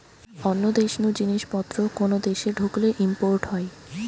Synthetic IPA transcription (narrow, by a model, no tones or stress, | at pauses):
ɔnːod̪eʃnud͡ʑiniʃpɔt̪ːɾokonod̪eʃeɖʱukleʔimpoɾʈɦɔe